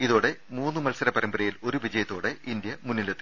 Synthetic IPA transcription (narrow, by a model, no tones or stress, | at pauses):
iðo̞ːɽe̞muːnːɨmɐlsɐɾɐpɐɾɐmbɐɾɐjilo̞ɾuʋid͡ʑɐjɐt̪ːo̞ːɽe̞ind̪jɐmunːilɐt̪ːi